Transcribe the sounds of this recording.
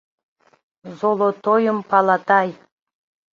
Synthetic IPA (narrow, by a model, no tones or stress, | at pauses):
zolˠot̪ojəmpɑlˠɑt̪ɑj